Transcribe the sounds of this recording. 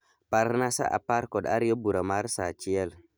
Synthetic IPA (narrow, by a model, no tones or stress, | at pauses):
paɾnasa̰ʔa̰paɾkoda̰ɾijobuɾamaɾsa̰t͡ʃijel